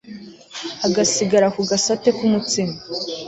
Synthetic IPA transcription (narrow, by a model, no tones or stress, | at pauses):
aɡasiɡaɾakuɡasate̞kumut͡sima